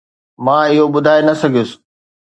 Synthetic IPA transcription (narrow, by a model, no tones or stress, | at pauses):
mãːɪɦoɓʊd̪ʱaːenɐsɐɡʱijʊsɪ̥